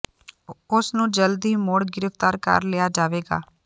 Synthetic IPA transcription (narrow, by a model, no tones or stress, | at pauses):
ʊsnũːd͡ʒəld̪iːmoːɽɡɪɾəft̪aːɾkə̰ɾlejaːd͡ʒaːʋeːɡa̰ː